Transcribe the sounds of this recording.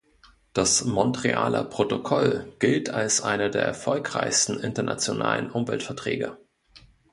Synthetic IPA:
d̥asmɔntʁ̥eʔa̰ːlə̰pʁ̥otokʰɔlɡ̥ɪltʰalsʔaɪnɐdeːɐʔɛ̰ɐfɔlkʁ̥aɪçstn̩ʔɪntɐna̰t͡sjona̰ːlənʔʊmvɛltfɛɐtʁ̥ɛ̰ːɡə

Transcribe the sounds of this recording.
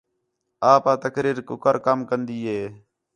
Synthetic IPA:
aːpaːt̪əkɾiːɾkʊkəɾkəmkənd̪iːɦeː

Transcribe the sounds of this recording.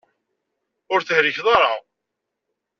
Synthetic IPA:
ʊɾθəhɾiçðˤɑɾˤɑʁ

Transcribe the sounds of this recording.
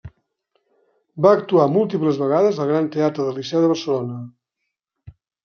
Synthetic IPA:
baəkt̪uamulˠt̪ipləzβəɣ̞aðəzəlˠɣɾant̪eat̪ɾəðəlisɛwðəβ̞əɾsəlonə

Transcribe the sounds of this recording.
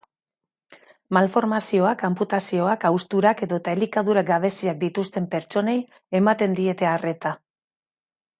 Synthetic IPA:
malfo̞ɾmasio̞akamput̪asio̞akawst̪uɾake̞ðot̪aelikaðuɾaɡaβ̞e̞siak̚d̪it̪ust̪e̞mpe̞ɾt͡ʃo̞ne̞j | e̞mat̪e̞nd̪ie̞t̪e̞are̞t̪a

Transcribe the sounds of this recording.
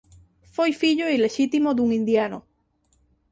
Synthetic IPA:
fojfiʎoileʃit̪imod̪uŋĩnd̪jano

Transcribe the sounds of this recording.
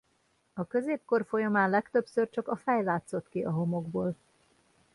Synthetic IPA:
ɒkø̞zeːp̚ko̞rfo̞jɒmaːnlɛkt̪øpsørt͡ʃɒkɒfɛjlaːt̪so̞t̪kiʔɒɦo̞mo̞ɡboːl

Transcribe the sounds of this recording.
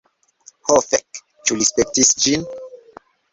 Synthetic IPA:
hofɛk | t͡ʃulispek̚tisd͡ʒin

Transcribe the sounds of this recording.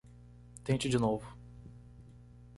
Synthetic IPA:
t̪ẽt͡ʃɪd͡ʒɪnovʊ

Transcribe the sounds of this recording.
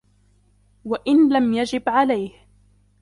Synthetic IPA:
waʔɪnlamjad͡ʒɪbʕalajh

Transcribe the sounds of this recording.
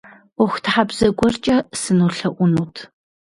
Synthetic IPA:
ʊxʷtʰħabz̥ɐɡʷɔrt͡ʃʼɐsɨnuːɬɐʔʷʊnuːtʰ

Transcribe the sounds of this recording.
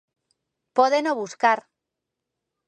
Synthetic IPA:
poðenoβuskaɾ

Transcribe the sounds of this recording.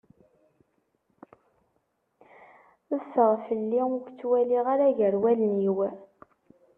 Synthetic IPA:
əfəʁfəlːiʊɡt͡sːwæliʁaɾæʝəɾwælənjiw

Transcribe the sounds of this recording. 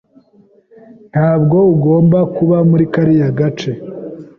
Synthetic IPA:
n̥haːbɡo̞uɡo̞ːmbakuβamuɾikaɾijaɡat͡ʃe̞

